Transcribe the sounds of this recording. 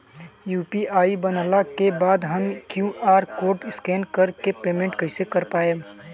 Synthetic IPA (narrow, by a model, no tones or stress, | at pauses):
juːpiʔaːibənalakebaːd̪ɦəmkjũʔaːɾkoːɾʈɪskɛːnkəɾkepeːmẽɳʈkəɪsekəɾpaːe